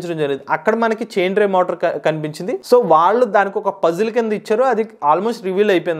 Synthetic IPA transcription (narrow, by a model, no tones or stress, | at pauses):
t͡ʃɐɽɐmd͡ʒɐɾieːd̪iʔɐkːɐɽɐmɐnɐkit͡ʃeːɳɖɾeːmoːʈɐɾkɐnip̬iɲt͡ʃind̪iso̞ːʋaːɭːud̪aːnikiɔkɐpɐd͡ʒulɐk̬ind̪ɐit͡ʃːaːɾuɐd̪iaːlmoːsʈɾiʋiːlɐjpɔjn